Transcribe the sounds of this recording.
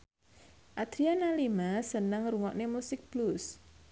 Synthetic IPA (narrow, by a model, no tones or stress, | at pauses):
ʔad̪̥ɾianalimasənəŋruŋɔʔnemusɪk̚b̥lus